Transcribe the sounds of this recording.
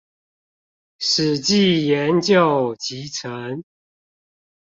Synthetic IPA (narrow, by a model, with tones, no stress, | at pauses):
ʂ̩˨˩t͡ɕi˥˨jɛ˨˦nt͡ɕjo˨ʊt͡ɕi˨˦t͡sʰə˦ŋ